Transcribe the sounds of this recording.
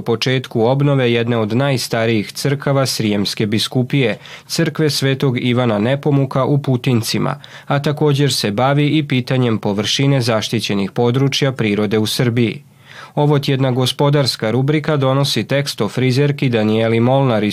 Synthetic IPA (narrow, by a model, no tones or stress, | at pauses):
upo̞t͡ʃe̞ːt̪kuo̞bno̞ʋe̞jed̪ne̞o̞d̪naːjst̪aɾijixt̪sər̩kaʋasɾijemske̞biskupije̞t̪sɨr̩kʋe̞sʋe̞ːt̪o̞ɡiʋanane̞po̞mukaʔuput̪int̪simʔa̰ | at̪ako̞ːd͡ʑe̞ɾse̞baʋiipiːt̪aɲe̞mpo̞ʋr̩ʃine̞zaʃt̪it͡ɕe̞nixpo̞d̪ɾut͡ʃjapɾiːɾo̞d̪e̞usr̩bijḭ | o̞ʋot̪jed̪naɡo̞spo̞d̪aɾskaɾubɾikad̪o̞no̞sit̪e̞kst̪ofɾize̞ɾkid̪anielimo̞lnaɾi